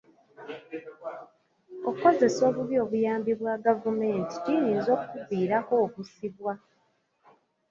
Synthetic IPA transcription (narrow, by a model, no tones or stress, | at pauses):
okuko̞ze̞so̞ːβuβjo̞ːβujaːmbiβwaːɡavume̞ːnti̥ciɲizo̞ːkkubiːɾako̞ːkusiβwa